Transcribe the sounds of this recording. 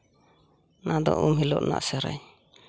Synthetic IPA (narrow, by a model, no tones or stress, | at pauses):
nad̪ɔʔumɦilɔʔna̰ʔsɛɾa̰ɲ